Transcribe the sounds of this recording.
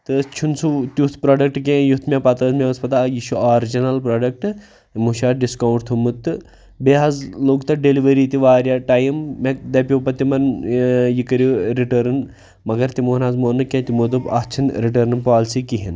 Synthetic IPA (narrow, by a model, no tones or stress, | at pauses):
t̪ɨt͡ʃʰunsut̪jut̪ʰpɾaːɖɐk̚ʈkẽjut̪ʰmʲepɐt̪ɾɐzmʲẽɐspɐt̪aːjiʃuaːɾd͡ʒinɐlpɾaːɖɐk̚ʈ | muʃaːɖiskawɳʈt̪ʰumɨt̪ːɨ | beːɦɐzloːɡt̪ɐɖeliʋɐɾiːt̪iʋaːɾʲjaːʈaːjimːek̚d̪ɐpʲjoːpɐt̪imɐnjikɐɾʲoɾiʈəɾn | mɐɡɐɾt̪imoːnaːzmoːnɨkẽːt̪imoːd̪ɨbɐ̰t͡ʃʰinɾiʈ̬ɐːɾnpaːlsikiɦin